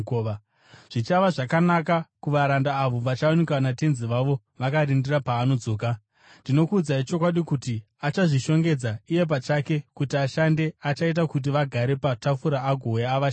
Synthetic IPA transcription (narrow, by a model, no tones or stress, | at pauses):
o | ʐ̥it͡ʃaʋaʐakanakakuʋaɾandaːʋo̞ʋat͡ʃaonekwanate̞nziʋaʋo̞ | ʋakaɾindirapaːno̞d͡zo̞ːka | ndino̞kuːd͡zait͡ʃo̞kwaɗikuti | at͡ʃaʐiʃo̞ŋɡe̞d͡zaije̞p̬at͡ʃake̞kutiaʃande̞at͡ʃait̬akut̬iʋaɡʱaɾe̞patafuɾaːɡʱo̞jaːʋa